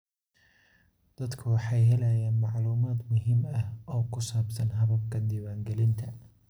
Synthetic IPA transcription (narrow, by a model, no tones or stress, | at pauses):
d̪̥ɐd̪kʰɐwɑħɑjɦɛlɛjaːnmɑʕluːmaːd̪mʊɦɪmɐhʔɔːkʰʊsaːbsɐnɦɐβɐb̚kʰɐnd̪iːwaːŋɡɛlɪnt̪ʰɐ